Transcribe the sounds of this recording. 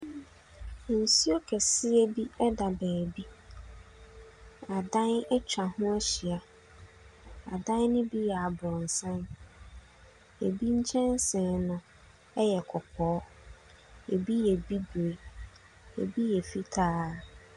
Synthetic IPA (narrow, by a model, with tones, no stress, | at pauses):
n̩˨si˦o˦kʰɛ˨sɪ˦e˦bi˦ɛ˦da˨bæː˨bi˦ | a˨dã˦nɛ˦t͡ɕᶣa˨hʊ̃˦æ˦ɕi˨a˨ | a˨dã˦nnɪ̃˦bi˦jɛ˨a˨bɾɔ̃˨n̩˨sã˦n | e˨bi˦ɲ̩˦t͡ɕʰɛ̃˦n˦sɛ̃˨nʊ̃˨ | ɛ˦jɛ˨kʰɔ˨pʰɔː˨˦ | e˨bi˦jɛ˨bi˦do˨e˨ | ḛ˨bi˦jɛ˨fi˦tʰaː˦˨